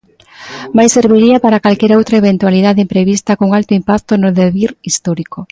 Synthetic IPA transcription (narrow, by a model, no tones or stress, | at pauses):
majseɾβiɾiapaɾakalkeɾaowt̪ɾaeβent̪waliðaðempɾeβist̪akoŋalt̪ʊimpak̚t̪onoðeβiɾist̪ɔɾiko